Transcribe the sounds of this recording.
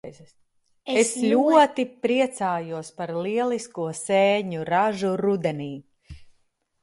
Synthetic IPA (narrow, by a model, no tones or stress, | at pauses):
z | esʎʲuɔt̪ipɾiɛt̪saːjuɔspaɾlˠiɛlˠiskuɔsɛːɲuɾaʒuɾud̪ɛniː